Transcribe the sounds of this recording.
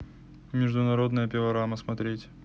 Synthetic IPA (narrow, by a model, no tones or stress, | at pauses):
mʲɪʐd̪ʊnɐɾo̞d̪nəjəpʲɪvɐɾaməsmɐt̪ɾʲetʲ